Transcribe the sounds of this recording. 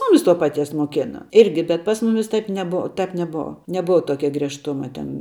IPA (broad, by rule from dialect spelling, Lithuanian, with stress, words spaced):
ˈmʊmʲɪs toː pɐˈtʲiɛs moːˈkʲæːnɐ ˈɪrʲɡʲɪ bʲɛt pɐs ˈmʊmʲɪs ˈtɐɪp nʲɛˈboːʋɐ ˈtɐp nʲɛˈboːʋɐ nʲɛˈboːʋɐ ˈtoːkʲɛ ɡrʲiɛʃˈtʊmɐ ˈtʲɛn